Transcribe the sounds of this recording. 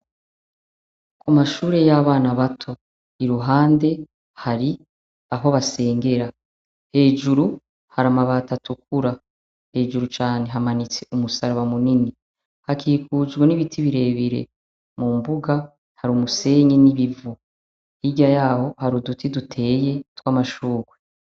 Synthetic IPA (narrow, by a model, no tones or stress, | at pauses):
kumaʃuːɾe̞jaβaːnaβatʰo̞ | iɾuɦaːnde̞ | haɾi | aɦo̞βase̞ːŋɡe̞ɾa | he̞ːʒuɾu | haɾamaβatatʰuk̚uɾa | he̞ːʒuɾut͡ʃaːne̞ɦamanit͡seumusaɾaβamunini | hakʰiːkud͡ʒɡweniβitʰiβiɾe̞ːβiɾe̞̰ | mumbuɡa | haɾumuse̞ːɲeniβivu | hiɟajaːho̞haɾudutidutʰe̞ːje̞twamaʃuːɡwe